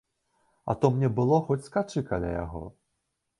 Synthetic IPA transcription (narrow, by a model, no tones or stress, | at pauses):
ɐ̰t̪ɔmnʲɛbɨlˠɔxɔt͡sʲskat͡ʂɨkalʲa̰ja̰ɣɔ̰